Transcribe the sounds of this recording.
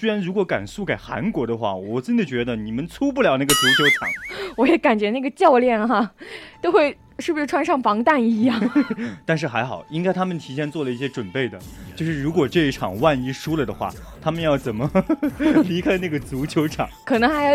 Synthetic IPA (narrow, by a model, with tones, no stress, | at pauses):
swe˥ɻa˧˥nɻu˧˥kwɔ˧˥ka̰˨˩nsu˥˩ke˨˩ɪxa̰˧˥nkwɔ˧˥d̪ə˧xwa̰˥˩wɔ˨˩ʈ͡ʂə˥t͡ɕi˩d̪ə˩t͡ɕɥɛ˧˥d̪ə˧ni˨˩mə˦nt͡sʰu˥p̬u˥˩ljɑ˧˥ʊna˥˩ɡə˩t͡su˧˥t͡ɕʰjo˧˥ʊʈ͡ʂʰɑ̰˨˩˦ŋwɔ˧˥jɛ˧˥ka˨˩nt͡ɕɥɛ˧˥na˥˩ɡə˩t͡ɕjɑ˥˧ʊljɛ˥˩nxa˧˩t̪o˥ʊxwe˥˩ɪ | ʂɻ̩˥˩bu˩ʂɻ̩˥˩ʈ͡ʂʰwa˥nʂɑ˥˩ŋfɑ˧˥ŋt̪a˥˩ni˧˥jɑ˥˩ŋŋt̪a˥˧nʂ̬ɻ̩˥˩xa˧˥ɪxɑ˨˩ʊi˥ŋka˥ɪt̪ʰa˥mə˨nt̪ʰi˧˥ɕjɛ˥˧nt͡swɔ˥˩lə˩i˥˩ɕjɛ˥ʈ͡ʂwə˨˩npe˥˩ɪd̪ə˩t͡ɕjo˥˧ʊʂɻ̩˥˩ɻu˧˥kwɔ˨˩ʈ͡ʂɤ˥˧i˥˩ʈ͡ʂʰɑ̰˨˩ŋwa˥˧ni˥ʂu˥lə˨˩d̪ə˩xwa̰˥˩ | t̪ʰa˥mə˨njɑ˥˩ʊt͡sə˨˩nmə˦ | li˧˥kʰa˥ɪna˥˩ɡə˩t͡su˧˥t͡ɕʰjo˧˥ʊʈ͡ʂʰɑ̰˨˩˦ŋkʰɤ˨˩nɤ˧˥ŋxɪ˧